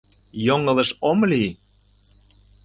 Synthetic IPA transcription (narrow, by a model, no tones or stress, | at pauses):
joŋə̆lɤ̆ʃomli